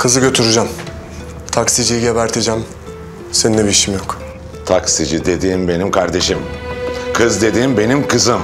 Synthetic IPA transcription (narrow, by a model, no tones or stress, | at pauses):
kʰɯzɯɟø̞t̪ʰyɾyd͡ʒam | t̪ʰaksid͡ʒijiɟeβæɾt̪ʰid͡ʒæm | senineβiʃimjok | t̪ʰaksid͡ʒid̪e̞d̪iːmbe̞nimkʰaɾd̪e̞ʃimkʰɯzd̪e̞d̪iːmbe̞nimkʰɯzɯm